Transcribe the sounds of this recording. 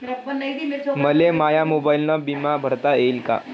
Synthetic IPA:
məlemajamobailnabimabʱəɾt̪aelka̰

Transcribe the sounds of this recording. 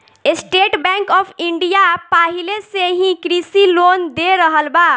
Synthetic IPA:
esʈeʈbɛ̃ŋkɔpʰiɳɖijapaɦileseɦĩkɾisilond̪eɾəɦəlba

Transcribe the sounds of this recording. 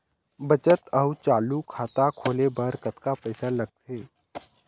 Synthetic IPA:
bət͡ʃət̪əut͡ʃaːlukʰaːt̪akʰoːlebəɾkət̪kapəɪsalɐɡ̚t̪ʰeː

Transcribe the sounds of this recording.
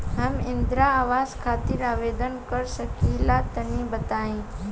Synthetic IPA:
ɦəmɪ̃nd̪ɾaːʋaːzkʰaːt̪ɪɾaːʋeːd̪ənkəɾsəkilat̪ənĩbət̪aːĩ

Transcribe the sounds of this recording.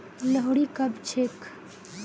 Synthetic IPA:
ləɦuɽikəbt͡ʃʰek

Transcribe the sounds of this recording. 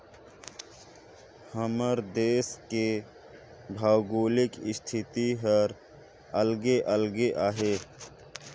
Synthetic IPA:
həməɾd̪eːske | bʱaːwɡoːlɪkɪst̪ʰɪt̪iɦəɾ | əlɡeʔəlɡeʔaːɦeː

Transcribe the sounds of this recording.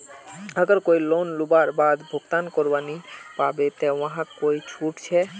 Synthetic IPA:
əɡəɾkojlonlubaɾbad̪bʱokt̪ankoɾbanipabet̪ɛ̃ãɦãkojt͡ɕʰuʈt͡ɕʰe

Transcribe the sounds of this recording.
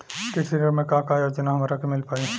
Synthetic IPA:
ɪskesiɾəɾmẽkãːkaːjoːd͡ʒənaɦɐmaɾakemɪlpaːĩ

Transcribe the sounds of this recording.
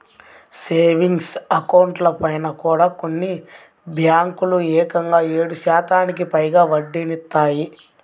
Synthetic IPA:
seːʋiŋɡsɐkɐwɳʈlɐpɐjnɐkuːɽaːko̞nːi | bʱjaːŋkuluɛːkɐŋɡaːe̞ːɽuʃaːt̪aːnikipɐjɡaːʋɐɖːinit̪ːaːji

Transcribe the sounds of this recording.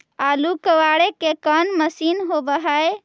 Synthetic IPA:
alukəwaɽekekənməsinɦobəɦəj

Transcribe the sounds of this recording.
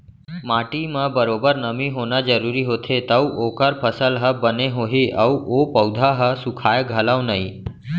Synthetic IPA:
maːʈimãbəɾoːbəɾnəmĩɦoːnad͡ʒəɾuːɾiɦoːt̪ʰet̪əuʔoːkəɾpʰəsəlɦəbəneɦoɦiʔəuʔopəwd̪ʱaɦəsʊkʰaːjɡʱəlaʋnəɦĩ

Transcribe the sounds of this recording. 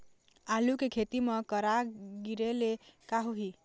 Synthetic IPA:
alukekʰet̪imʌkəɾaɡiɾelekaɦuɦi

